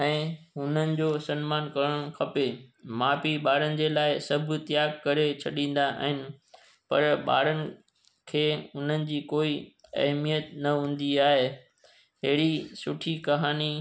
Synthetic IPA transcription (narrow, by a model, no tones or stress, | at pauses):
ɛ̃ːɦʊn̤ənɪ̆d͡ʑoːsɐnmaːnkɐɾəɽ̃xʰɐpemaːpiɓaːɽənɪ̆d͡ʑeːlaːɪsɐbʱʊ̆t̪ɪjaːɡkɐɾet͡ɕʰɐɗĩːn̆d̪aʔa̰ːɦɪnɪ̆ | pɐɾɓa̰ːɾənɪ̆ | kʰeːʊn̤ənɪ̆d͡ʑiːkoːiɐ̰ɦmijət̪nɐɦũːn̆d̪iaːɦe | ɦɪɦɽisʊʈʰikɐɦaːni